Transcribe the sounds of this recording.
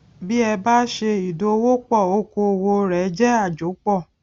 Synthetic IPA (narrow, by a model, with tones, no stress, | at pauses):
bi˦ɛ˧ba˦ʃe˧i˨do˧wo˦k͡pɔ˦˨o˧˦ko˧˨wo˧ɾɛ˨˦d͡ʒɛ˦a˦˨d͡ʒo˨˦k͡pɔ˦˨